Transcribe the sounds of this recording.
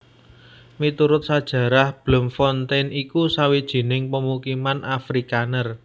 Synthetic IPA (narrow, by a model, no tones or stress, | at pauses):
mit̪uɾʊt̪̚sad̥ʒ̥ä̤ɾahb̥lʊ̤mfɔnt̪ɛnikusawid̥ʒ̥i̤nɪŋpəmukimanʔafɾikanər